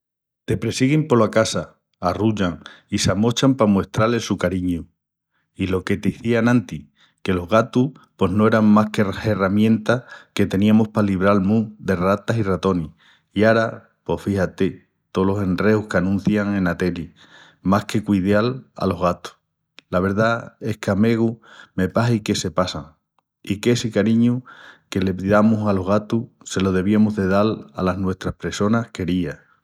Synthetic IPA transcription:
t̪e̞pɾe̞siɣimpo̞lakasaː | ruʝaŋisamo̞t͡ʃampamwe̞ht̪ɾalesukaɾiɲu | ilo̞ke̞t̪eiθianãnt̪i | ke̞lo̞ɦɣat̪uhpo̞ɦno̞e̞ɾammahkee̞ramjẽ̞nt̪ake̞t̪e̞niamohpaliβ̞ɾalmuðe̞rat̪asirat̪o̞ni | iaɾa | po̞hfihat̪e | t̪o̞lo̞se̞nreuhkanũn̟θjaŋẽ̞nat̪e̞li | mahke̞kwiðjala̰lo̞ɦɣat̪u̥ | laβ̞e̞ɾðae̞hkame̞ɣume̞paɦike̞se̞pasaŋ | ike̞sikaɾiɲuke̞le̞piðamusalo̞ɦɣat̪u | se̞lo̞ð̞e̞β̞iamoɦðe̞ðala̰laɦnwe̞ht̪ɾahpɾe̞so̞nahke̞ɾia

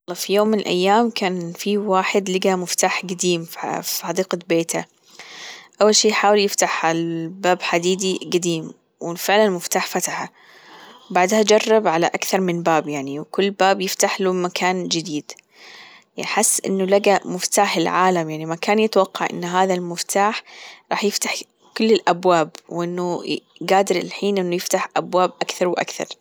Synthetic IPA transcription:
lːɑːfijoːmːɪnɪlʔa̰jːaːmkʰaːnfiwaːħɪd̪lɪɡamʊft̪aːħɡad̪iːmfa̰fiħɑd̪iːqabeːt̪a | ʔawːalʃiːjħaːwɪljɪft̪aħhalbaːbħad̪iːd̪iɡad̪iːm | wɪfɪʕlanmʊft̪aːħfat̪aħa | wbaʕd̪had͡ʒɑrˤːɑbʕala̰ʔakθɑɾˤmɪnbaːbjaʕniwkʊlːbaːbjɪft̪aħlumakʰaːnd͡ʒɪd̪iːd̪ | jħɪsːʔɪ̰nːʊlaɡamʊft̪aːħɪlʕaːlamjaʕnimakaːnjɪt̪awɑqːɑʕʔɪ̰nːɦaːðalmʊft̪aːħɾˤɑːħjɪft̪ḁħ | kʊlːɪlʔabwaːbwʔɪnːʊɡaːd̪ɪɾɪlħiːnʔɪnːʊjɪft̪aħʔabwaːbʔakθɑɾˤwʔa̰kθɑ̰ɾˤ

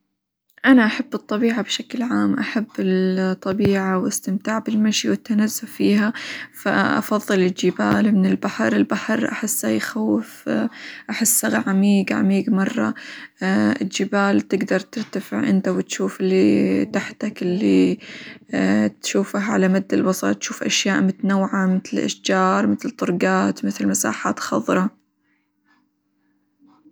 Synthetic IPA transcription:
ʔanaʔaħabːɨt̪ˤːɑbiːʕabʃaklʕaːmʔaħabːɪt̪ˤːɑbiːʕawɪst̪ɪmt̪aːʕbɪlmaʃiwɪt̪ːanazːʊfiːɦafa̰ʔɑ̰fɑðˤːɨlɪld͡ʒɪbaːlmɪnɪlbaħɑɾɪlbaħɑɾʔaħɪsːajxawːɪf | ʔaħɪsːaɣaʕamiːɡʕa̰miːɡmɑrˤːɑ̰ | ɪld͡ʒɪbaːlt̪ɪɡd̪ɑɾˤt̪ɪɾt̪afɪ̰ʕʔɪ̰nt̪awɪt̪ʃuːfɪlːit̪aħt̪akɪlːi | t̪ʃuːfaɦʕalamad̪ːalwɑsˤɑ̰t̪ʃuːfʔaʃjaːʔmɪt̪nawːʕamɪt̪ɪlʔa̰ʃd͡ʒɑːɾˤmɪt̪lt̪ˤːʊɾˤɡaːt̪mɪθlmasa̰ːħa̰ːt̪xɑðˤɾˤɑ

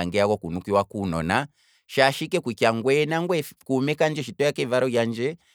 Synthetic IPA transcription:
aŋɡɛakɔkunukiwakunɔna | ʃaʃikɛkwikjaŋɡwɛnaŋɡwɛkumɛkand͡ʒɛʃitɔjakɛvaɾɔjand͡ʒɛ

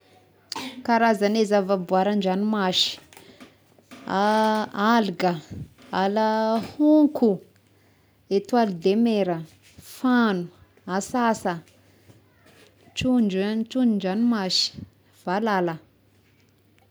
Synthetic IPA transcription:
kaɾazanezavabuaɾand͡ʒanimaʃi̥ | aalɡə | aləhuŋkʰu | et̪walid̪emeɾə | fanu | asasə | t͡ʃund͡ʒant͡ʃunuɳd͡ʒanimaʃi̥ | v̥alalə

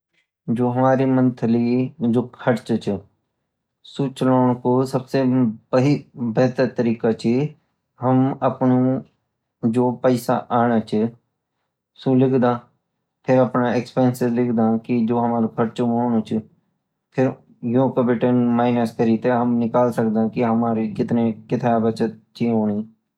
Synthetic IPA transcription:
d͡ʒoːɦɐmaːɾimə̃nt̪ʰəlid͡ʒoːkʰɐʈt͡ʃt͡ʃʰ | sut͡ʃəlaːɽ̃kosɐbsebɐɦibɛːt̪əɾt̪əɾiːkat͡ʃʰi | ɦəmɐpnu | d͡ʒoːpəɪsa̰ʔaːɽ̃at͡ʃʰə | sũːlɪkʰd̪ãː | pʰɪɾəpnaːɛkspɛːnsɪzlɪkʰd̪ãːkɪd͡ʒoːɦəmaːɾokʰəɾt͡ʃomoːɳoːt͡ʃ | pʰɪɾ | jõːkəbɪʈənmaːɪnəskəɾiːt̪eɦəmnɪkaːlsək̚d̪ãːkɪɦəmaːɾiːkɪt̪neːkɪt̪ʰaːbət͡ʃət̪̚t͡ʃiɦoːɳ̃iː

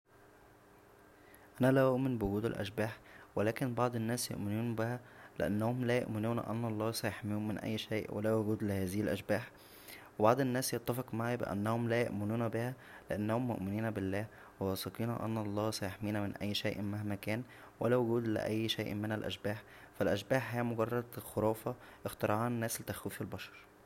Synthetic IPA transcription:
ʔænælæʔoʔmenbewoɡuːd̪æ̰lʔæ̰ʃ̬bæːħwelæːkenbɑʕd̪ˤenːæːsjo̰ʔmɪnuːnbehælḛʔæ̰nːæhomlæjo̰ʔmɪnuːnʔæ̰nːɑlˤːɑːsæjeħmiuːnmɪnʔæ̰jːʃæːʔwæ̰læwoɡuːd̪lehæːzɪhilʔæʃbæːħ | webɑʕd̪ˤenːæːsjet̪ːæfeqmaʕibḛʔæ̰nːæhomlæjo̰ʔmɪnuːnbehæ | leʔænːæhomːo̰ʔmɪniːnbelːæː | wewɑsˤɑqiːnæ̰ʔæ̰nːɑlˤːɑːsæjeħmiːnæmɪnʔæjːʃæːʔmahmækæːn | wælæwoɡuːd̪lḛʔæjːʃæjːʔmenælʔæ̰ʃbæːħ | fælʔæʃbæːħhæːmoɡɑrˤːɑd̪xoɾˤɑːfɑʔext̪ɑɾˤɑʕɑːnnːæːslet̪æxwiːfelbɑʃɑ̥ɾˤ

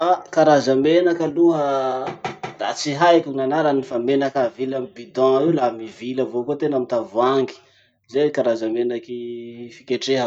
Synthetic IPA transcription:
akaɾazəmenakəluɦə | ra̰t͡siɦajkʲunanaɾanifamenakavilamibid̪ãiwlamiviləvokut̪enamint̪avuaŋɡi̥ | zekaɾazamenakifi̥kʲeʈ͡ʂeɦə

